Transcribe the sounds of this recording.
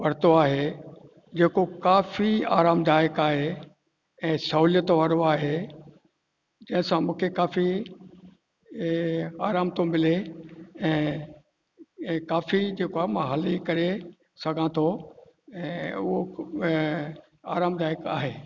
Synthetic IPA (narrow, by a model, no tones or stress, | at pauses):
ʋɐɽ̤t̪oaːɦe | d͡ʑeːkokaːfia̰ːɾaːmd̪ʱaːjəkaːɦe | ɛ̃ːsɐɦuːljət̪ʋaːɾoaːɦe | d͡ʑɐ̃ɦɪ̃sãmũːkʰekaːfi | aːɾaːmt̪omɪleɛ̃ː | kaːfid͡ʑeːkoaːɦemãɦɐlikɐɾe | sɐɡʱãt̪ʰoɛ̃ːʊɦo | aːɾaːmd̪ʱaːjəka̰ːɦeː